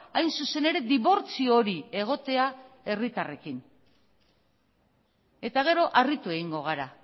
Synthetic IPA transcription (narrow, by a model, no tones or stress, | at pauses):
ajnsuse̞ne̞ɾe̞d̪iβo̞ɾt͡sio̞ɾie̞ɣ̞o̞t̪e̞a | e̞rit̪are̞kin | e̞t̪aɣ̞e̞ɾo̞ʔarit̪ue̞ɣiŋɡo̞ɣ̞aɾa